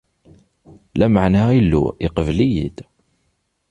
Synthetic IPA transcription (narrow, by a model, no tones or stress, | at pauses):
læmaʕnæilːṵiqəvlijid̪̥